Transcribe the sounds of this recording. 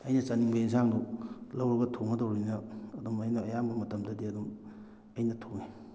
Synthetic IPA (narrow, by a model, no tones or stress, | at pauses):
ɐjnɐt͡ʃɐniŋbaiŋs̬aŋdulɐwɾɐɡɐtʰonɐdowɾinɐɐdumɐjnɐːjambɐmɐtɐmdɐdiɐdum | ɐjnɐtʰokni